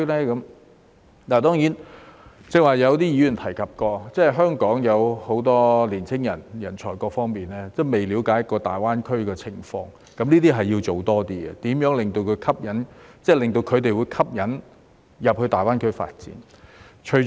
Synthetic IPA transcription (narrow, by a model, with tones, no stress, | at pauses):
lɛː˥kɐ˨˦m | laː˨˩t̪ɔː˥ŋjiː˨˥nt͡sɪ˨˧kwaː˨jɐ˨˧wt̪iː˥jyː˨˧jy˨˩nt̪ʰɐ˨˩jkʰɐ˨p̚kɔː˧t͡sɛː˥˩ɦœː˥ŋkɔː˨˥ŋjɐ˨˧who˨˥wt̪ɔː˥liː˨˩nt͡sʰɪ˥ŋjɐ˨˩njɐ˨˩nt͡ʃʰɔː˨˩kɔː˧k̚fɔː˥ŋmiː˨nɛː˥t͡sɛː˥˩me˨jli˨˥wkaː˨˥jɐ˥kːɔː˧t̪aː˨˩jwaː˥nkʰɵ˥ɥkɛː˧t͡sʰɪ˨˩ŋfɔ̰ː˧ŋ | kɐ˨˥mniː˥t̪̬iː˥ɦɐ˨jːi˧wt͡so˨wt̪ɔː˥t̪iː˥ɡɛ̰˨t̪iː˨˥mjœː˨˥ŋlɪ˨ŋt̪o˧wkʰɵ˨˧kʰɐ˥p̚jɐ˨˥nt͡sɛː˥˩lɪ˨ŋt̪o˧wkʰɵ˨˧ɥt̪̬e˨jwu˨˧jkʰɐ˥p̚jɐ˨˥n | jɐ˨p̚hɵ˧t̪aː˨jwaː˥nkʰɵ˥fa̰ː˧t̚t͡sḭː˨˥nt͡ʃʰɵ˨˩